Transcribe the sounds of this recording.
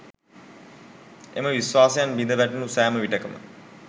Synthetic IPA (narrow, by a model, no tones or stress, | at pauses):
eməʋisʋaːsejanbind̪əʋæʈunusæːməʋiʈəkəmə̰